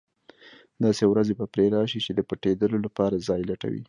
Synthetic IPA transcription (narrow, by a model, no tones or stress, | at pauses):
d̪ɑsewɾazebapɾeɾɑʃit͡ʃed̪əpəʈed̪əlolapɑɾazɑjlaʈa̰wḭ